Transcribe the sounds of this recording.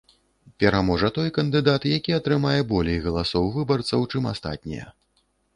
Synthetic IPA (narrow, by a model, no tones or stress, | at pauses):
pʲɛɾamɔʐɐt̪ɔjkɐnd̪ɨd̪at̪jakʲiɐt̪ɾɨmajɛbɔlʲejɣɐlˠasɔwvɨbɐrt̪sɐwt͡ʂɨma̰st̪a̰t̪̚ʲnʲḭjɐ̰